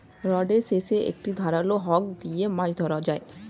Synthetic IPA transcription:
ɾɔɖeɾseʃeʔḛk̚ʈid̪ʱaɾaloɦɔk̚d̪ijemãd͡ʑd̪ʱɔɾad͡ʑae

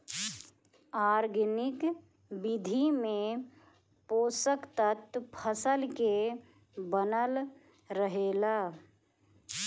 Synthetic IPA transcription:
aːɾɡnɪk | bɪd̪ʱimẽ | poːsəkt̪ət̪pʰəsəlke | bənəl | ɾəɦeːlaː

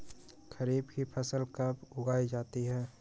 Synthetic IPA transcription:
xɐɾiːbkipʰɐsəlkəbʊɡaːid͡ʒaːt̪iɦɛː

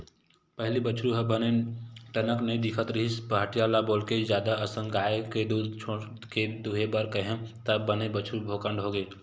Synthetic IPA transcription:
pəɦlibət͡ʃʰɾuɦəbəneʈənəknəĩd̪ɪkʰət̪ɾiɦispaːʈijaːlaboːlkezjaːd̪aəsə̃ŋɡaːeked̪ut͡ʃʰo | ked̪uɦebəɾkəɦẽt̪əbənebət͡ʃʰɾubʱoːkəɳɖɦoːɡeː

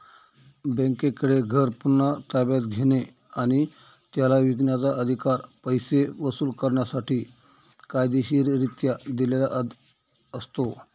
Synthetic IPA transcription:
bə̃ŋkekəɽeɡʱəɾpunːat̪abjat̪ɡʱeɽ̃e | aɽ̃i | t̪jalaʋiɡɳjat͡saʔəd̪ʱikaɾpəjseʋəsuːlkəɾɳjasaʈiː | kajd̪eɕiːɾɾit̪jad̪ilelaʔəd̪ | əst̪o

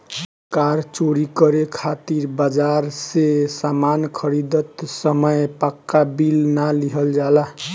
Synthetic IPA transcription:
kaɾt͡ʃoɾikʌɾekʰat̪iɾbad͡ʒaɾsesamankʰʌɾid̪ət̪səməjpakːabilnaliɦəld͡ʒala

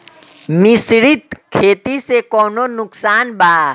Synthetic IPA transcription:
mɪsɾɪt̪kʰːeːt̪isekɔːnonʊksaːnbaː

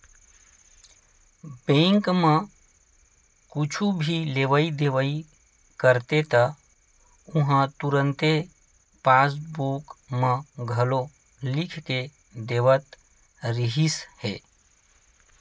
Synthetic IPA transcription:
bẽŋkmə̃ | kut͡ʃʰubʱileʋəid̪eʋəi | kəɾt̪et̪ə | uɦãt̪uɾənt̪e | pasbukməɡʱəlo | likʰt̪e | d̪eʋət̪ | ɾiɦishḛ

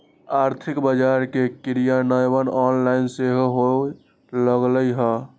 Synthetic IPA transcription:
aɾt̪ʰikbəd͡ʒaɾkekiɾijanəjbənɔnlaɪnseɦɦo | ləɡləjɦə

